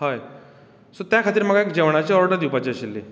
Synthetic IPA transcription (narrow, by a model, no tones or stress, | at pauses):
ɦəj | sot̪jakʰat̪iːɾm̤əɡaekd͡ʑeʋɳ̃at͡ɕeɔɾɽəd̪ipat͡ɕeɕilːe